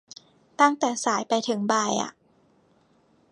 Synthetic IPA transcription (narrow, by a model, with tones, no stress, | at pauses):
t̪a˥˩ŋt̪ɛː˨˩saː˩˦jpa˧jt̪ʰɯ˩˦ŋbaː˧jʔa̰˨˩ʔ